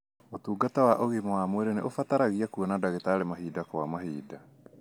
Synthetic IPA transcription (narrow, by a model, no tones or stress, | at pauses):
otuːɡatawaʔoɣemawamweɾeneʔofataɾaɣiakuɔnadaɣetaːɾemaɦiːdakɔwamaɦiːda